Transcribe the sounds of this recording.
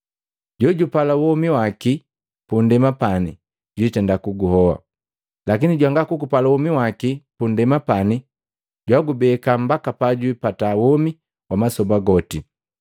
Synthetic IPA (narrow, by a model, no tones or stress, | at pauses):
ɟɔɟupalawɔmiwaki | pundɛmapani | ɟwitɛndakuɡuhɔwa̰ | lakiniɟwaŋɡakukupalawɔmiwakipundɛmapani | ɟwaɡubɛkam̩bakapaɟuipatawɔmi | wamasɔbaɡɔti